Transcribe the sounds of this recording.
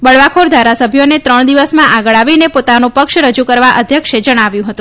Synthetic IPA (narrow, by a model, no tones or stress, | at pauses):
bəɭʋakʰoɾd̪ʱaɾasəbʱjonet̪ɾəɳ̃d̪iʋəsmãʔaɡəɭaʋinepot̪anũpəkʃɾəd͡ʒukəɾʋaʔəd̪ʱjəkʃed͡ʒəɽ̃aʋjũɦət̪ũ